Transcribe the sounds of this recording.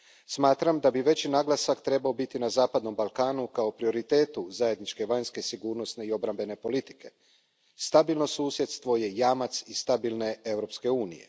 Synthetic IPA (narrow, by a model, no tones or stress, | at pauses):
smaːt̪ɾamd̪abiʋe̞t͡ɕinaɡlˠasakt̪ɾe̞bao̞bit̪inazaːpad̪no̞mbalˠkaːnukao̞pɾio̞ɾit̪e̞ːt̪uzaje̞d̪nit͡ʃke̞ʋaɲske̞siɡuːɾno̞sne̞io̞bɾambe̞ne̞po̞lit̪i̥ke̞ | st̪abilˠno̞suːsjet̪st̪ʋo̞je̞jamat̪sist̪abilne̞e̞vɾo̞pske̞uːnḭje̞̰